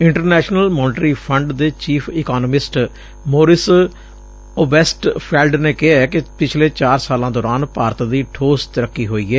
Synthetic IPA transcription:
ɪɳʈəɾnɛːʃnəlmɔːnɪʈɾiːpʰəɳɖd̪eːt͡ʃiːpʰɪːkaːnəmɪsʈ | moːɾɪs | oːbɛːsʈpʰɛːlɖneːkɪɦaːɛkɪpɪt͡ʃʰleːt͡ʃaːɾsaːlãːd̪ɔːɾaːnpaːɾt̪d̪iːʈʰoːst̪əɾəkːiːɦoːiːɛː

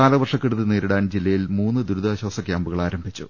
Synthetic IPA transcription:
aːlɐʋɐrʂɐkːiɽuðɨneːɾiɽaːnd͡ʑilːɐjilmuːnːɨd̪uɾuðaːɕwaːsɐkʲjaːmbuɣɐɭaːɾɐmbʱit͡ɕːṵ

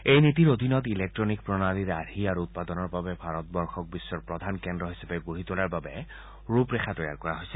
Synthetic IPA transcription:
ejnit̪̬iɹod̪ʱinɔt̪ilek̚tɹɔnik̚pɹɔnaliɹaɾiaɹuut̪̚pad̪ɔnɔɹbabɛbʱaɹɔt̪̚bɔɹxɔk̚bisːɔɹpɹɔd̪ʱankɛndɔɦisapɛɡoɦit̪olaɹbabɛ | ɹupɹɛxʰatɔja̰ɹkɔɹaɦojsɛ̥

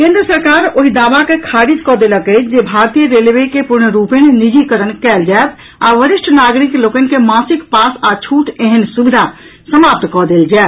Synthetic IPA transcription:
kẽnd̪ɾəsəɾkaɾoɦid̪abakekʰaɾit̪kɔd̪eləkət͡ʃʰd͡ʒebʱaɾt̪ijəɾeleʋeikepuɾɳɾupenenid͡ʒikəɾənkɛld͡ʒaet̪ | aʋəɾiʃʈʰnaɡɾiklokənkemasikpasat͡ʃʰuʈeɦənsubid̪ʱa | səmap̚t̪kɔd̪eld͡ʒae

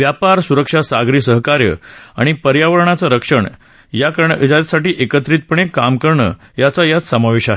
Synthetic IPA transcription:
ʋjapaɾsuɾəkʂasaɡɾiːsəɦkaɾjə̰a̰ɽ̃ipəɾjaʋəɾɳat͡səɾəkʂəɳ | jakəɾɳd͡ʑat̪saʈiːʔekət̪ɾiːt̪̚pəɳ̃ekamkəɾɳə̰ | jat͡sajat̪səmaʋeɕaɦe

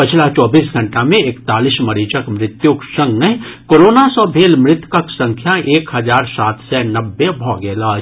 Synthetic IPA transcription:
pɪt͡ʃʰlat͡ʃɔːbiːsɡʱɐ̃ɳʈamẽekt̪aːliːsmɐɾiːd͡ʒəkmɾɪt̪juksɐ̃ŋɡnɐɦkoːɾoːnasɔ̃ːbʱeːlmɾɪt̪kəksɐ̃ŋkʰjaʔeːkɦɐzaːɾsaːt̪ʰsɛːnɐbːebʱɔːɡɛːlaːd͡ʒ

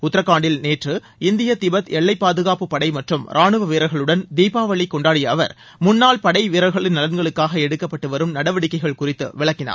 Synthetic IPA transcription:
ʊt̪ːɪɾɐkːaːɳɖɪlneːʈrɯ | ɪnd̪ɪjɐt̪ɪbɐt̪ɛɭːɐɪpːaːðɯɣaːpɯpːɐɽɐɪmɐʈrɯmɾʔaːɳɯʋɐʋiːɾɐɣɐɭɯɽɐnd̪iːpaːʋɐɭːikːɔɳɖaːɽɪjɐːʋɐ̰ɾ | mʊnːaːlpɐɽɐɪʋɪɾɐɣɐɭɪnnɐlɐnɡɐɭɯkːaːɣɐɛɽɯkːɐpːɐʈːɯʋɐɾɯmnɐɽɐʋɐɽɪkːɐɪɣɐɭkʊrɪt̪ːɯ̰ʋɪɭɐkːɪna̰ː

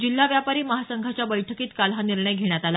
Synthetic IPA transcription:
d͡ʑilːaʋjapaɾiːməɦasəŋɡʱat͡ɕjabəjʈʰəkiːt̪kalɦaniɾɳəjɡʱeɽ̃jat̪al

